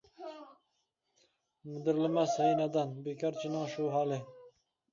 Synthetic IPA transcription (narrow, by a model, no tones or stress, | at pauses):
mɪd̪ɪɾlɪmashajnad̪anbekɑɾt͡ʃʰɪnɪŋʃuːɦɑːlɪ